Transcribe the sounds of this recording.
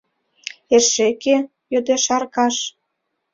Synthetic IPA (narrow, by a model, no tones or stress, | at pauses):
eʃeke | jød̪eʃɑrkɑʃ